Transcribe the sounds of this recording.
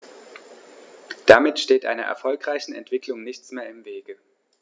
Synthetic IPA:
d̥amɪtʃteːtʔa̰ɪnɐ̰ʔɛ̰ɐfɔlkʁ̥aɪçn̩ɛ̰ntv̥ɪklʊŋnɪçt͡smeːɐɪmveːɡə

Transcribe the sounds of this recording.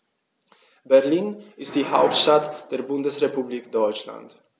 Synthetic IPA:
bɛʁliːnɪstd̥iːha̰ʊp̚tʃtatd̥eːʁbʊndəsʁepubliːkd̥ɔʏt͡ʃla̰nt

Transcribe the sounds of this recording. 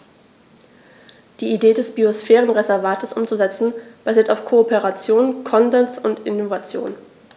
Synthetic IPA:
d̥iːideːdɛsb̥iosfɛːʁ̞ənʁezɛɐvaːtʰəsʔʊmt͡suzɛt͡sn̩b̥aziːɐtaʊfkʰoːpeʁat͡sjoːnkʰɔnzɛnsʊntɪnovat͡sjo̰ːn

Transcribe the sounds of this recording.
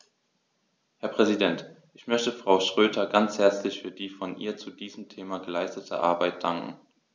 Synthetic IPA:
hɛɐpʁ̥ɛzidɛntʔɪçmœçtəfʁ̥aʊʃʁ̥øːtʰɐɡant͡shɛɐt͡slɪçfyːɐdiːfɔnʔiːɐt͡sudiːzəm̩tʰeːmaɡəlaɪstətʰə̰ʔa̰ɐbaɪt̚d̥aŋkŋ̩

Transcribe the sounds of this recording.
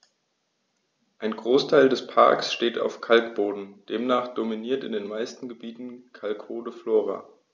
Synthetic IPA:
ʔaɪnɡʁoːstʰaɪldɛspʰa̰ɐksʃteːta̰ʊfkʰalkb̥oːdn̩d̥eːmnaːχd̥ominiːɐtɪ̰ndeːnmaɪstn̩ɡəbiːtn̩kʰalkboːdəfloːʁa̰

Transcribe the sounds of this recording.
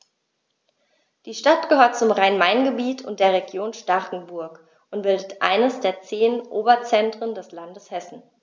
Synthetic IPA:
d̥iːʃtatɡ̥əhøːɐt̚t͡sʊmʁaɪnmaɪnɡəbiːtʰʊnt̚d̥eːɐʁ̞eɡjoːnʃtaʁkŋ̩bʊɐk | ʔʊntb̥ɪldətʔa̰ɪnəsd̥eːɐt͡seːnʔoːbɐt͡sɛntʁ̥əndɛslandəshɛsn̩

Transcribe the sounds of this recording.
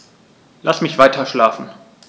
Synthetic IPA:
lʔasmɪçv̥aɪtʰɐʃlaːfn̩

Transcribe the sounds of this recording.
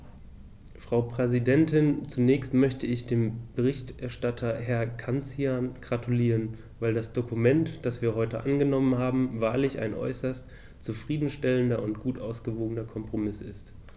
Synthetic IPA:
fʁ̥aʊpʁ̥ɛzidɛntʰɪnt͡sunɛːçstmœçtʰəɪçd̥eːmb̥əʁɪçtʔɛɐʃtatʰɐɦɛɐkʰant͡sianɡ̥ʁatʰuliːʁən | vaɪldasd̥okʰumɛntd̥asv̥iːɐɦɔʏtəʔanɡənɔmənhaːbm̩vaːɐlɪça̰ɪnʔɔ̰ʏsɐst | t͡sufʁ̥iːdn̩ʃtɛləndɐʊntɡ̥uːtʔaʊsɡ̥əvoːɡənɐkʰɔmpʁ̥omɪsɪst

